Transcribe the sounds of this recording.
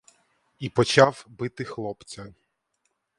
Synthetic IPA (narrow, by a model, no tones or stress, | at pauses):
ipɔt͡ʃɑwbɪt̪ɪxlˠɔpt͡sʲɐ